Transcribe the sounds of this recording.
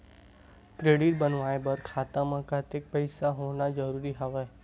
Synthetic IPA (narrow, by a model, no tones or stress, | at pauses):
kɾeɽiʈ̪̚bənʋaebəɾkʰaːt̪ãmãkat̪ek̚pəɪsaɦoʋnad͡ʒəɾuɾiɦaʋe